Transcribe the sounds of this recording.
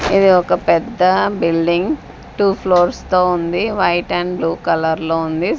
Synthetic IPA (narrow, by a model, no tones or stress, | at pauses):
id̪iɔkɐpɛd̪ːɐbilɖiŋɡ | ʈuːpʰloːɾst̪oːund̪iʋɐjʈɐnbluːkɐlɐɾloːund̪i